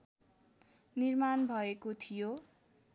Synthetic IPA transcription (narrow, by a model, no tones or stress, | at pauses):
nirmanbʱʌekot̪ʰijo